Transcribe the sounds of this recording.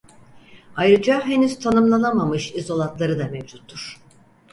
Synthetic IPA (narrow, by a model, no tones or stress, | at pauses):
ajɾɯd͡ʒaɦe̞nyz̥t̪ʰanɯmlˠanamamɯʃizo̞lˠat̪lˠaɾɯd̪amevd͡ʒut̪ʰːuɾ̥